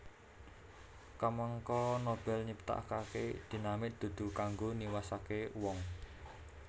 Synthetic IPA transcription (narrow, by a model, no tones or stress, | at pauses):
kaməŋkɔnob̥ɛlɲipt̪a̰ʔkakḛd̪̥i̤namɪʔ̚d̪̥ṳd̪̥ṳkaŋɡoniwasakewɔŋ